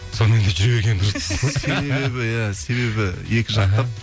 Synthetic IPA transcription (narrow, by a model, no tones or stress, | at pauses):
sonəend̪eʒʏɾebeɾɡʲe̞nd̪ʊɾəsɪzse̞beebɪjæse̞βe̞bɪje̞kʲɪʒɑq̪ɑp